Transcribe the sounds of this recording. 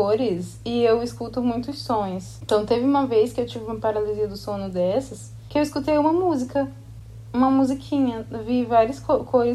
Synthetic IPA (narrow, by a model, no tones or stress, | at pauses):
oɾɪs | ɪewiskut̪ʊmũj̃t̪ʊsõj̃sẽt̪ɐ̃w̃t̪evɪũmɐveskɪewt͡ʃivɪũmɐpaɾaliziɐd̪ʊsõnʊd̪ɛsɐs | kɪewiskut̪ejũmɐmuzikɐ | ũmɐmuzikʰĩɲɐvivaɾiɐskokʰojɾɪ